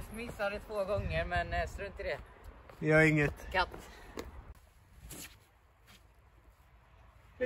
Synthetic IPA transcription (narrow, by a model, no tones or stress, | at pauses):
mɪsːad̪ɛt̪ʰvoːɡɔŋːəɾmɛnst̪oɪnt̪əd̪ɛjhaɾɪŋːət̪kat̪ː